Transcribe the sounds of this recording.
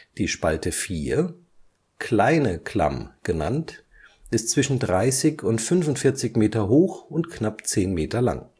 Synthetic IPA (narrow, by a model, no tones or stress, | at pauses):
d̥iːʃpaltəfiːɐ | klaɪnəkʰl̥a̰mɡ̥əna̰nt | ʔɪstt͡sv̥ɪʃn̩dʁaɪsɪçʊntfʏnvʊntfɪɐt͡sɪçmeːtɐɦoːxʊntknapt͡seːnmeːtɐla̰ŋ